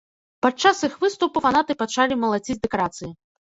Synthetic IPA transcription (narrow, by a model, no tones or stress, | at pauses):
pat͡ʂasixvɨst̪upufanat̪ɨpat͡ʂalʲimɐlˠad͡zʲid͡zʲd̪ɛkaɾat̪sɨji